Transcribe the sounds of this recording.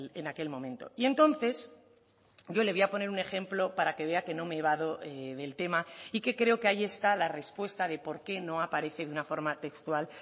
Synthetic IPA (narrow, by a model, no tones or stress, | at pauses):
enake̞lmõ̞mẽnt̪o̞̰ie̞nt̪o̞nθe̞s | ɟ͡ʝo̞le̞β̞iapo̞ne̞ɾune̞xẽ̞mplo̞paɾake̞βe̞ake̞no̞me̞β̞aðo̞eðe̞lt̪e̞maike̞kɾe̞okeaie̞st̪alare̞spwe̞st̪aðe̞po̞ɾke̞no̞apaɾe̞θeðeunafo̞ɾmat̪e̞kst̪wal